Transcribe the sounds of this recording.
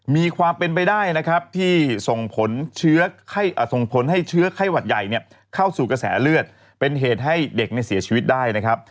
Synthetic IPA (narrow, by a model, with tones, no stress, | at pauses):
miː˧kʰwaː˧mpe˧npa˧jdaː˥˩jna˦˥kʰɾa˦˥p̚t̪ʰiː˥˩so˨˩ŋpʰo˩˦nt͡ɕʰɯ˦˥ɐkʰa˥˩jʔːso˨˩ŋpʰo˩˦nɦa˥˩jt͡ɕʰɯ˦˥ɐkʰa˥˩jwa˨˩t̪̚ja˨˩jni˥˩ɐ | kʰa˥˩wsuː˨˩ka˧sɛ̰ː˩˦lɯ˥˩ət̪̚ | pe˧nɦeː˨˩t̪̚ɦa˥˩jde˨˩k̚na˧˩jsi˩˦ɐt͡ɕʰiː˧wi˦˥t̪̚daː˥˩jna˦˥kʰa˦˥p̚